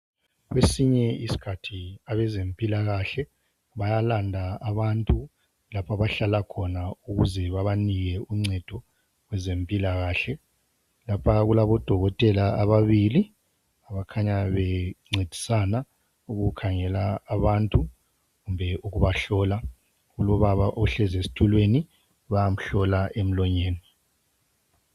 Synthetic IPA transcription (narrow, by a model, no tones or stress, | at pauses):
ɣwesiɲɛisi̥kʰatʰiaβɛzempʼilaɣaɬɛ | βajalandʱaːβantʼu | lapʰaβaɬalakʰɔnauɣuzɛβaβaniɣɛuŋ͡ǀɛd̥ʱɔ | wɛzempʼilaɣaːɬɛ | lapʰaɣulaβɔd̥ʱɔɣɔtʼɛlaːβaβili | aβakʰaɲaβɛŋ͡ǀʱed̥ʱi̥sana | uɣukʰaŋɛlaːβantʼu | ɣumbʱɛuɣuβaɬɔla | ɣulɔβaβaʔɔɬɛzesi̥tʰulweni | βajam̩ɬɔlaʔem̩lɔɲeːni